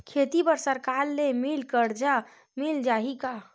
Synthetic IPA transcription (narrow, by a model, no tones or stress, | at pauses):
kʰet̪ipəɾsəɾkaɾːemilkəɾd͡ʒa | mild͡ʒaɦika